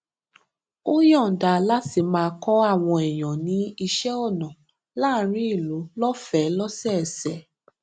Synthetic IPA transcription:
o˦jɔ̃˦˨da˧˨la˦ti˧mãː˧kɔ˦a˦˨w̃ɔ̃˧ɛ˨j̃ɔ̃˨nĩ˨˦i˧ʃɛ˦ɔ˦˨nɔ̃˨ | la˦ɾ̃ĩ˨˦i˦˨lu˨˦lɔ˦fɛ˨˦lɔ˦sɛ˦˨ɛ˨sɛ˨

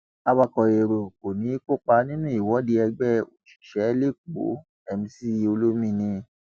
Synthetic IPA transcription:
a˧wa˧kɔ˨e˨ɾo˨ko˨nĩ˨˦ko˦˨k͡pa˧nĩ˦nũ˦˨i˨wɔ˨˦di˧˦ɛ˧ɡ͡bɛ˦o˨t͡ʃi̥˨ʃɛ˨˦le˦˨k͡po̰˨˦ | ɛ˧mĩ˧si˦˨jo˧lo˦mĩ˦˧˨nĩ˧˦

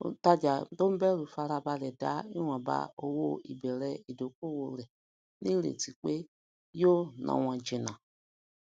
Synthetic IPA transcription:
ta˧d͡ʒa˨˦to˦m̩˦bɛ˦lu˨fa˧ɾa˧ba˧lɛ˨da˨˦i˦w̃ã˨ba̰˧o˧wo˧˨ḭ˨bɛ˨ɾɛ˧i˨do˨ko˦˨wo˧lɛ˨ | nĩ˦lḛ˨ti˨k͡pe˦ | jo˦nã̰˧˨w̃ã˨d͡ʒe˨nã˨

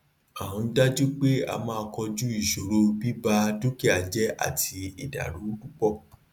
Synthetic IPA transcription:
ã˨ã˧n̩˦da˦d͡ʒu˦k͡pe˦a̰˧mãː˦˧kɔ˧d͡ʒu˦i˦˨ʃo˨ɾo˧bi˦ba˧du˦ke˦˨a˨d͡ʒɛ˦a̰˦˨ti˧i˨da̰˨ɾũ˨˦ɾu˦k͡pɔ˦˨

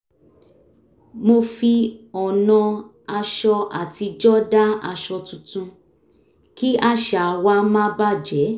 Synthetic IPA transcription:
mo˧fi˧ɔ˨nɔ̃˧ | a˧ʃɔ˧a˨ti˧d͡ʒɔ˦da˦a˧ʃɔ˧tũ˨˧tũ˧ | ki˦a˦˧ʃa˨wa˧˦mã˦ba˦˨d͡ʒɛ˨˦

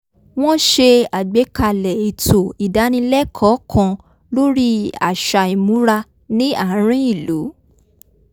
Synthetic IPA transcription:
w̃ɔ̃˦ʃe˧a˨ɡ͡be˨˦ka˧˨lɛ˨i˨tʰo˨i˨da˨˦nĩ˧lɛ˦kʰɔ˨˦kʰɔ̃˧ | lo˦ɾi˦a̰˨ʃa˧˨i˨mũ˨˦ɾa˧ | nĩ˦ã˦˨˦ɾ̃ĩ˦i˦˨lu˨˦

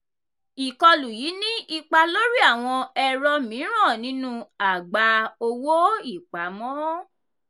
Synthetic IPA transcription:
i˨kɔ˧lu˨ji˨˦nĩ˦ʔi˧k͡pa˧lo˦ɾi˦a˦˨w̃ɔ̃˧ɛ˧ɾɔ˧mĩ˨˦ɾ̃ã˦˨nĩ˨˦nũ˦a˨ɡ͡ba˧o˧wo˦i˦˨k͡pa˨˦mɔ̃˦

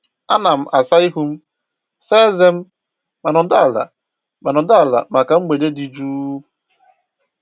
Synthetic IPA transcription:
a˦na˨m̩˨ʔa˨sa˦i˦ɦu˦m̩˦ | se˦ze˦m̩˦ | ma˨nʊ˨da˦˨la̰˨ | ma˨nʊ˨da˦a˨la̰˨ma˨ka˨ŋ͡m̩˦ɡ͡be˨de˦di˨d͡ʒu˦˨

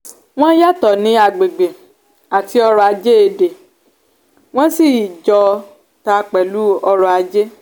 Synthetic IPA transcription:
w̃ɔ̃˦ja˦˨tɔ˨nĩ˨˦a˧ɡ͡be˨ɡ͡be˨ | a˨ti˧˦ɔ˧ɾɔ˧a˧d͡ʒe˦e˧˨de˨ | w̃ɔ̃˦si˦˨d͡ʒɔ˧ | ta˧k͡pɛ˨lu˨˦ɔ˧ɾɔ˧a˧d͡ʒe˦

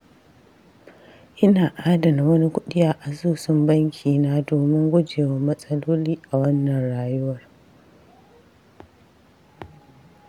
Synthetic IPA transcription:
ʔɪ˦naː˨ʔaː˦dɐ˨na˨wɐ˦ni˦kʷʊ˦ɗɪ˦jaː˦ʔa˨zuː˦˨sʊ˦mbɐ˦ŋkʲʰiː˨naː˦doː˨mɪ˦ŋɡʷʊ˦d͡ʒeː˨wɐ˦mɐ˦sʼɐ˦loː˦liː˦ʔa˨wɐ˦nːɐ˨nɽaː˨jʊ˦wɐ˨r

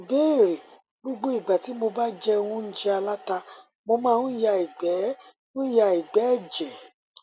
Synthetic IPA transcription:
i˨be˦˨ɾe˨ | ɡ͡bo˦ɡ͡bo˦i˨ɡ͡ba˨ti˨˦mo˧ba˦d͡ʒɛ˦˧wũ˦n̩˦d͡ʒɛ˦a˧la˦ta˧ | mo˧mãː˦˧nũ˦ja˧i˨ɡ͡bɛ˨˦ | ũ˦ja˧i˨ɡ͡bɛ˨˦˨d͡ʒɛ˨

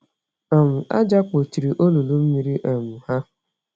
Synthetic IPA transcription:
ɔ˨mʊ˨a̰˦d͡ʒa˦k͡po˨t͡ʃi˨ɾi˨ʔo˦lu˨lu˦m̩˦mi˨˦ɾi˦ʔe˨mʊ˨ha˦

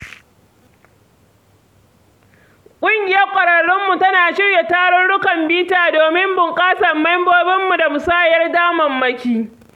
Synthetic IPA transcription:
kʷʼʊ˦ŋɡʲɪ˨jɐ˦rkʷʼɐ˨ɽɐ˨ɽʊ˦mːu˨tɐ˦naː˨ʃɪ˦ɽje˨taː˦ɽɔ˦nɽʊ˦kɐ˨mbiː˦taː˨doː˨mɪ˦mbʊ˨ŋkʼaː˦sɐ˨mːa˦jmboː˦bɪ˦mːu˨da˨mʊ˨saː˦jɐ˦rdaː˦mɐ˨mːɐ˦kʲiː˦

